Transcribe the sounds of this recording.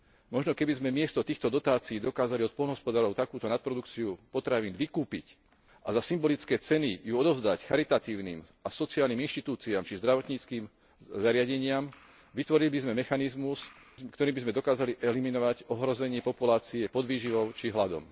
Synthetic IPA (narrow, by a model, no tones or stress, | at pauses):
mɔʒnɔkɛbizmɛmɪɛst̪ɔt̪iːxt̪ɔd̪ɔt̪aːt͡siiːd̪ɔkaːzaliɔt̪̚pɔlnɦɔspɔd̪aːɾɔʊt̪akuːt̪ɔnat̪̚pɾɔd̪ukt͡siupɔt̪ɾaʋiːnʋikuːpic | ʔazasimbɔlit͡skɛːt͡sɛnijuɔd̪ɔʊzd̪acxaɾit̪at̪iːʊnḭːmʔasɔt͡siaːlniːminʃt̪it̪uːt͡siaːmt͡ʃizd̪ɾaʋɔt̪ɲiːt͡skiːm | zaɾɪaɟɛɲɪam | ʋit̪ʋɔɾilibizmɛmɛxanizmus | kt̪ɔɾiːbizmɛd̪ɔkaːzaliʔɛliminɔʋaɟɔɦɾɔzɛɲɪɛpɔpulaːt͡siɛpɔd̪ʋiːʒiʋɔʊt͡ʃiɦlad̪ɔ̰m